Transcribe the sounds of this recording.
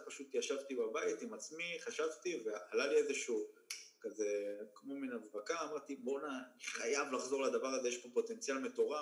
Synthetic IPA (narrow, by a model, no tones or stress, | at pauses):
paʃut̪jaʃavt̪ibabajit̪imat͡smiχaʃavt̪ive̞alaliezeʃuːkaze̞kmo̞minavbakaːmaʁt̪ibo̞naniχajavlaχzo̞ʁlad̪avaʁaze̞jeʃpo̞po̞t̪e̞nt͡sjalme̞t̪o̞ʁa